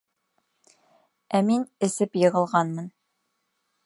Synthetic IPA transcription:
æminɘ̆sɘpjɤ̆ʁɤ̆lˠʁɑnmɤn

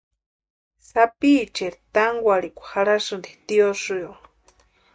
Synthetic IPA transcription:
sapit͡ʃeɾt̪aŋɡʷaɾikʷḁhaɾasɨnd̪it̪iosujo

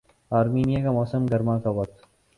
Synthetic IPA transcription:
aːɾmiːnijakamɔːsəmɡɐɾmãkawɐk̚t̪

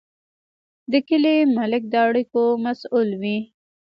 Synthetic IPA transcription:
d̪əkɪlemalɪk̚d̪əaɽikomasulwi

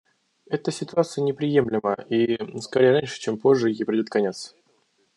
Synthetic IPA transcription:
ɛt̪əsʲɪt̪ʊat̪sɨjənʲɪpɾʲɪje̞mlʲɪməiskɐɾʲejəɾanʲʂɨ̥t͡ɕempo̞ʐːɨjejpɾʲɪdʲot̪̚kɐnʲet̪s

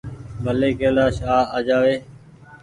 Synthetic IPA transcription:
bʱəleːkeːlaːʃaːaːd͡ʒaːʋeː

